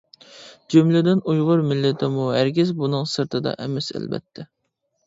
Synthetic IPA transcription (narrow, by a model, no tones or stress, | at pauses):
d͡ʒumlɪd̪ɪnujʁʊɾmɪlːɪt̪ʰɪmuɦæɾkʲɪzbunɨŋsɨɾt̪ʰɨd̪ɑ̰ʔɛmɛsæ̰lbɛ̰t̪ʰːɛ